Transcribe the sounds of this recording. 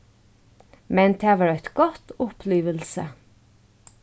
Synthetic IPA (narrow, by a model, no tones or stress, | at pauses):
mɛnt̪ʰːæʋəɾœt̪ɡ̥ɔt̪ʊpʰliːʋəlsə̰